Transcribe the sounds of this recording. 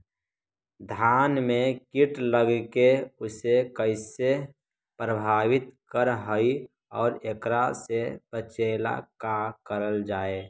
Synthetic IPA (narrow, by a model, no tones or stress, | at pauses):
d̪ʱaːnmẽkiʈləɡkeʊsekəɪse | pɾəbʱaːʋɪt̪kəɾɦəi | ɔːɾekɾasepət͡ʃeːla̰kakəɾəld͡ʒaːe